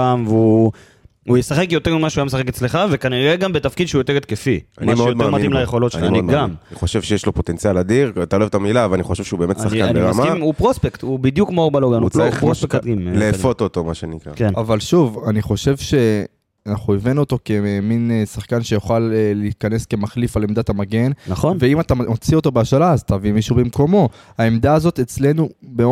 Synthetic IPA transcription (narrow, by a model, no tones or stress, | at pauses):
amveu | ujesaχe̞kjo̞t̪emimaʃuajamesaχeket͡sleχave̞kaniʁeɡambet̪afkid̪ʃeujot̪eʁet̪̚kefia̰nmiʃmojod̪memad̪imlajeχo̞lotʃiamid̪mɡamniχoʃevʃejeʃlo̞po̞t̪ent͡sjalad̪iʁat̪aoloevt̪amilavalaniχo̞ʃevʃeubeːmetssaχkaanbieʁmaimupʁospekt̪ubid̪jukmobaloɡanuʁospekimleːfo̞t̪ot̪o̞maʃenikʁa̰kenavalʃuvaniχo̞ʃe̞vʃe̞ | anaχuevinot̪o̞ke̞minsaχkanʃe̞joχalːiːkane̞ske̞maχlifalemd̪atamaɡe̞nnaχonveimat̪amot͡sio̞t̪o̞beaʃalaːzat̪avimiʃubemko̞mo̞ | haemd̪aːzo̞t̪et͡sle̞nube